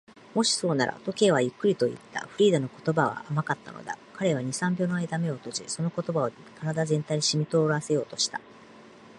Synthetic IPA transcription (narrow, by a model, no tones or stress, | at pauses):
mo̞ɕi̥so̞ːna̰ɾʔa̰t̪o̞ke̞ːβajɯ̟kːɯ̟ɾʲit̪o̞ḭt̪ːa̰ɸɯ̟ɾʲiːd̪anoko̞̥t̪o̞baβ̞a̰ʔːmakat̪ːa̰no̞̰d̪a̰kaɾe̞β̞aɲ̟isãmbʲo̞ːno̞aid̪ame̞o̞t̪o̞ʑiso̞no̞ko̞t̪o̞bao̞ | kaɾad̪azẽ̞nt̪aiɲ̟iɕimʲit̪o̞ɾase̞jo̞ːt̪o̞ɕi̥t̪a